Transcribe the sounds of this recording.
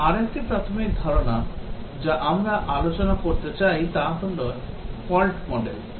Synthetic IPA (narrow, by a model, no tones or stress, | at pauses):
aɾek̚ʈipɾat̪ʰomik̚d̪ʱɔɾona | d͡ʑaʔamɾaʔalot͡ɕonakoɾt̪et͡ɕajt̪at̪onlo | fɔlʈmɔɖḛl